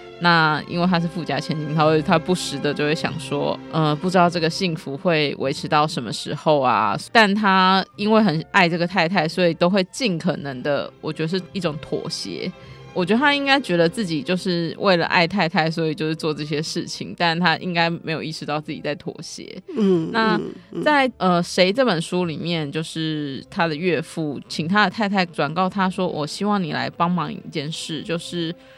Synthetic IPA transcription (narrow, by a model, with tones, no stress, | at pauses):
na˥˩ḭ˥nŋwe˥˩ɪt̪ʰa˥ʂ̬ɻ̩˥˩fu˥˧˩t͡ɕja̰˥t͡ɕʰjɛ˧˥nt͡ɕi˥˩nt̪ʰa˥˩˥tʰa˥pu˥˩ʂɻ̩˧˥d̪ə˧t͡ɕjo˥˧ʊwe˥˩ɕjɑ̰˨˩ŋʂwɔ̰˦ʔə˧pu˥˩ʈ͡ʂɻt̪ɑ˥˧ʊʈ͡ʂɤ˥˩ɡə˨ɕi˥˩ŋfu˧˥xwe˥˩ɪwe˧˥ɪʈ͡ʂʰɻ̩˧˥t̪ɑ˥˩ʊʂə˧˦nmə˧ʂɻ̩˧˥xo˥˧ʊa̰˩t̪a˥˩nt̪ʰa˥i˥nwe˥˩ɪxə˨˩na˥˧ɪʈ͡ʂɤ˥˩ɡə˩t̪ʰa˥˧ɪt̪ʰa˥˩ɪswɔ˧˥i˨˩t̪o˥ʊxwe˥˧ɪt͡ɕi˥˩nkʰɤ˨˩nə˧˦ŋd̪ə̰˧wʔɔ˨˩t͡ɕɥɛ˧˥d̪ə˧ʂɻ̩˥˩i˥˩ʈ͡ʂʊ˨˩˦ŋt̪ʰwɔ̰˨˩ɕjɛ̰˧˥wɔ˨˩t͡ɕɥɛ˧˥d̪ə˧t̪ʰa˥i˥ŋka˥ɪt͡ɕɥɛ˧˥d̪ə˧t͡s̩˥˩t͡ɕi˨˩t͡ɕjo˥˧ʊʂɻ̩˥˩wʔḛ˥˩ɪlə̰˨˩ʔa̰˥˧ɪt̪ʰa˥˧ɪt̪ʰa˥˧ɪs̬wɔ˧˥i˨˩t͡ɕjo˥˧ʊʂɻ̩˥˧t͡swɔ˥˧ʈ͡ʂɤ˥˧ɕ̬jɛ˥ʂɻ̩˥˩t͡ɕʰḭ˨˦ŋt̪a˥˧nt̪ʰa˦˥ʔḭ˦ŋka˥ɪme˧˥ɪjo˨˩ʊi˥˩ʂɻ̩˧˥t̪ɑ˥˧ʊt͡sɹ̩˥˩t͡ɕḭ˨˩t͡sa˥˩ɪt̪ʰwɔ̰˨˩ɕjɛ̰˧˥˦na˥˩t͡sa˥˩ɪə˧ʂe˧˥ɪʈ͡ʂɤ˥˩pə˨˩nʂu˥li˨˩mjɛ˥˨nt͡ɕjo˥˧ʊʂɻ̩˥˩t̪ʰa˥d̪ə˨ɥɛ˥˧fu˥˩t͡ɕʰi˨ŋt̪ʰa˦˥d̪ə˨t̪ʰa˥ɪt̪ʰa˥˩ɪʈ͡ʂwa˨˩nkɑ˥˩ʊt̪ʰa˥ʂwɔ˥wʔɔ˨˩ɕi˥wɑ˥˩ŋni˨˩la̰˧˥ɪpɑ˥ŋmɑ˧˥ŋḭ˧˩˧t͡ɕjɛ˥˧nʂɻ̩˥˩t͡ɕjo˥˧ʊʂɻ̩˥˩